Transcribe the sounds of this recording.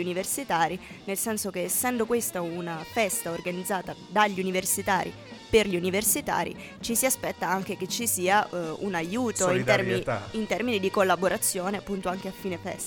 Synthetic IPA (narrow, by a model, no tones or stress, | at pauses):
universit̪aːɾi | nelsɛnsok̟eːsːɛnd̪okwest̪aunafɛst̪aorɡanid̪zːaːt̪ad̪aʎːiuniversit̪aːɾḭ | perʎiuniversit̪a̰ːɾḭ | t͡ʃisiaspɛt̪ːaaŋk̟eket͡ʃːisiːaṵnajuːt̪oint̪ɛrmiiint̪ɛrminid̪ikolːaboɾat̪sːjoːneapːunt̪oaŋk̟eafːiːnefɛ̰st̪a